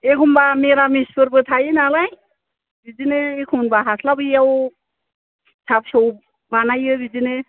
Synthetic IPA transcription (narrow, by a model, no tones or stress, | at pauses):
ekʰumbameɾamispʰɯɾbɯt̪ʰajinalaj | bizineekʰuwnbaɦasʰlabɯjaw | sʰap̚sow | banajɯbizine